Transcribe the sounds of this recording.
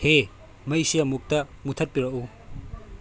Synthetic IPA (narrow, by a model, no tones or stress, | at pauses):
he | mɐjsijɐmuk̚tɐ | mutʰɐt̚piɾɐʔu